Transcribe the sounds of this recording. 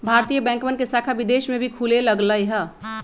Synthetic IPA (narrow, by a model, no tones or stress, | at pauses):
bʱaɾt̪ijəbɛ̃ːŋkmənkesakʰabid̪eʃmebʱikʰuleləɡləjɦə